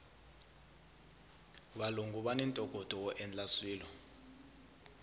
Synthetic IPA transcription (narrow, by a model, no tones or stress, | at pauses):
ɓaluŋɡuɓanɛntʼɔɡ̥ʱʼɔd̥ʱʼɔwɔʔɛnlaswiːlɔ